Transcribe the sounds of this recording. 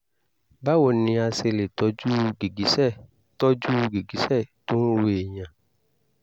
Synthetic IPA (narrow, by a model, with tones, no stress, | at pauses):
ba˦wo˨nĩ˧˦a˧se˧le˨tɔ˨˦d͡ʒu˦ɡe˨ɡi˨˦sɛ˦˨ | tɔ˦d͡ʒu˦ɡe˨ɡi˨˦sɛ˦˨tõ˦we˦e˨ɲã˨